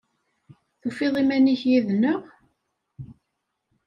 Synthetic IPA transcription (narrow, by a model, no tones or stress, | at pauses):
θufiðˤimæniçjiðnəʁ